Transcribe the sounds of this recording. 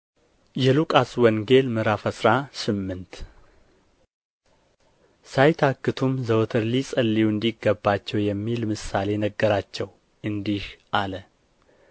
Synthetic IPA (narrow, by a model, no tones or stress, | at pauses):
jɛlukʼaswɔŋɡe̞lmɨɾafəsɾasɨmːɨnt̪ | sajt̪ʰakːɨt̪ʰumzəwt̪ʰəɾlisʼəlːijuɨnd̪iɡːəbːat͡ʃːɛwjɛmːilmɨsale̞nəɡːəɾat͡ʃːɛw | ʔɨnd̪ihʔalə